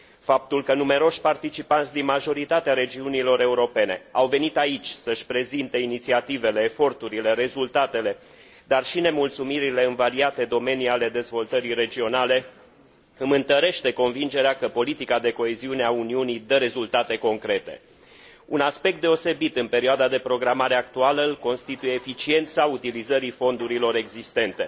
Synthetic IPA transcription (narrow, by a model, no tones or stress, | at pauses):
fap̚t̪ulkənume̞ɾo̞ʃʲpart̪it͡ʃipant̪sʲd̪inmaʒo̞ɾit̪at̪eaɾe̞d͡ʒiunilo̞ɾe̞uɾo̞pe̞ne̞̰awve̞nit̪ait͡ʃʲsəʃʲpɾe̞zint̪e̞init̪siat̪ive̞le̞ːfo̞rt̪uɾile̞ɾe̞zult̪at̪e̞le̞ | d̪arʃine̞mult̪sumiɾile̞ɨnvaɾiat̪e̞d̪o̞me̞niale̞d̪e̞zvo̞lt̪əɾiɾe̞d͡ʒio̞nale̞ | ɨmɨnt̪əɾe̞ʃt̪eko̞nvind͡ʒe̞ɾeakəpo̞lit̪ikad̪e̞ko̞eziune̞auniunid̪əɾe̞zult̪at̪e̞ko̞ŋkɾe̞t̪e̞̰ | unaspe̞k̚t̪d̪e̞o̞se̞bit̪ɨnpe̞ɾioad̪ad̪e̞pɾo̞ɡɾamaɾe̞ak̚t̪ualəɨlko̞nst̪it̪uje̞ːfit͡ʃie̞nt̪saut̪ilizəɾifo̞nd̪uɾilo̞ɾe̞ɡzist̪e̞nt̪e̞